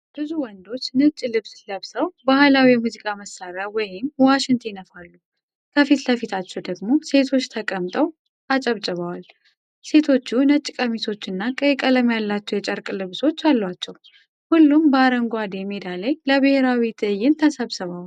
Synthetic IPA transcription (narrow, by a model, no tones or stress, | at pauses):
b̥ɨzuwɔnd̪o̞t͡ʃːnɨt͡ʃʼːilɨβsləβsəwbahɨlawijɛmuzikʼaməsːaɾawɔjɪmwaʃɪnt̪ʰjɛnəfalːu | kʰəfit̪ləfit̪ʰat͡ʃːɛwd̪əɡmo̞se̞t̪ʰo̞t͡ʃːt̪ʰəkʼəmt̪ʼəw | ʔat͡ʃʼəβt͡ʃʼɨβawal | se̞t̪ʰo̞t͡ʃːunət͡ʃʼːkʼəmisʰo̞t͡ʃːɨnːakʼəjkʼələmjalːat͡ʃːɛwjɛt͡ʃʼəɾkʼlɨβso̞t͡ʃːalːwat͡ʃːɛw | hulːumbəaɾəŋɡʷad̪emed̪alajləβɨheɾawit̪ʰʼɨjːɪnt̪ʰəsəβsəβaw